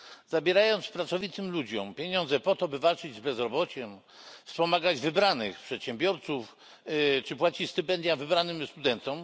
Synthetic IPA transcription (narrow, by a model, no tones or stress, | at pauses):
zabʲjɛɾajɔnt̪spɾat̪sɔvʲit̪ɘmlud͡ʑɔ̰mpʲjeɲɔnd̪zɛpɔt̪ɔbɘvalt͡ʂɘd͡ʑzbɛzɾɔbɔt͡ɕɛm | fspɔmaɡad͡ʑvɘbɾanɘxpʂɛt̪ɕɛmbʲjɔɾt̪suf | t͡ʂɘpwat͡ɕit͡ɕst̪ɘpɛnd̪ʲjavɘbɾanɘmst̪ud̪ɛnt̪ɔm